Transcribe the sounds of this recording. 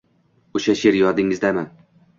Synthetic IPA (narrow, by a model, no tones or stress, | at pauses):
oʃaʃeɾjɒd̪ɪŋɪzd̪aman